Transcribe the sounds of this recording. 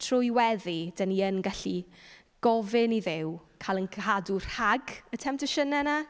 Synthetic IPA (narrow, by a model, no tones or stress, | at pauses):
tʰrʊjwɛðid̥aniənɡaɬi | ɡ̥ɔvɪniðɪwkʰalˠənkʰɦadur̥haɡətʰɛmtʰəʃənɛna